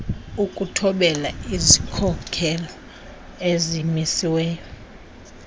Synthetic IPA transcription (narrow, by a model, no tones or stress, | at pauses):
ukʼutʰɔɓɛlaizikʰɔkʰɛlɔ | ezimisiwɛːjɔ